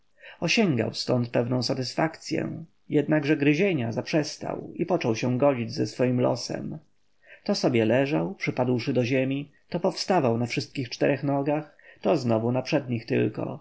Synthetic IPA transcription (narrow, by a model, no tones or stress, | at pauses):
ɔɕɛŋɡa̰wst̪ɔnt̪̚pɛvnɔ̃w̃sat̪ɘsfakt̪sʲjɛ̰ | jɛd̪naɡʐɛɡɾɘʑeɲazapʂɛst̪a̰wipɔt͡ʂɔwɕɛ̃w̃ɡɔd͡ʑid͡ʑzɛsfɔjimlɔ̰sɛ̰m | t̪ɔsɔbʲjɛlɛʐawpʂɘpad̪wʂɘd̪ɔʑɛmʲi | t̪ɔpɔfst̪avawnafʂɘst̪kʲixt͡ʂt̪ɛɾɛxnɔɡax | t̪ɔznɔvunapʂɛd̪ɲixt̪ɘ̰lkɔ̰